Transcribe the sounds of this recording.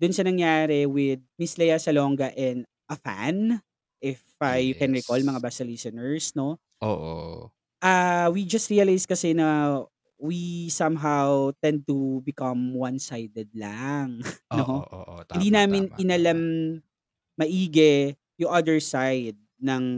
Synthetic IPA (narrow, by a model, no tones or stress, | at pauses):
d̪ʊnsɐnɐŋjaːɾɛwɪd̪̚mislɐjasɐloŋɡɐʔɛnd̪ | ʔɐfa̰n | ʔɪfajukɛnɹikolmɐŋabasɐlisɔnɛɹsno̞ | oʔo | ʔɐwid͡ʒɐst̪ɹiɐlajskɐsɛnɐ | wisɐmɦawt̪ɛnd̪̚t̪ubɪkɐmwɐnsajd̪ɛd̪̚laŋnohɪ̃nd̪inaːmɪnɪnɐlamː | ɐʔiːɡɛ | jʊŋʔɐd̪ɛɹsajd̪̚nɐŋ